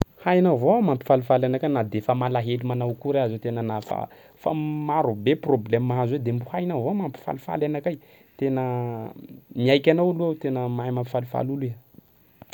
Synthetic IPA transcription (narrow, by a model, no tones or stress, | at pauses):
hajnavoamampi̥falufalanakanad̪efamalaɦelimanawkuɾeazet̪enənafa̰ | fa̰maɾubeproblemaazwed̪embuhajnavomampi̥fa̰lufa̰lanakaj | t̪enə | miajkʲanawalut̪enəmaimampi̥falufa̰luli